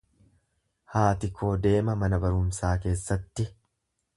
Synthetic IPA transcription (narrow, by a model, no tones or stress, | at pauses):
haːt̪ɪkʰːo̞ːd̪e̞ːmɐmɐnɐbɐɾʊmsaːke̞ːsːɐt̪ːɪ